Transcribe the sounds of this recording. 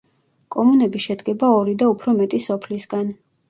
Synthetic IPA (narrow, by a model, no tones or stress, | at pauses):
kʼɔmunɛbiʃɛd̪ɡɛbaɔɾid̪aupʰɾɔmɛt̪ʼisɔpʰlisɡan